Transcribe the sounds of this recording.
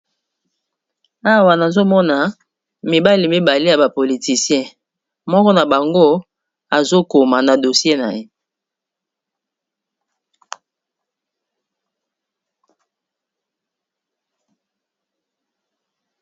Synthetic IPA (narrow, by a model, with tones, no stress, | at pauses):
a˦wa˨na˨zo˦mɔ˦na˨ | mi˨ba˦li˨mi˦ba˨li˦ja˨ba˨po˨li˨ti˨sjɛ̃˦˨ | mɔ˦kɔ˦na˨ba˨ŋɡo˦ | a˨zo˦ko˨ma˨na˨do˨sje˦na̰˨je˦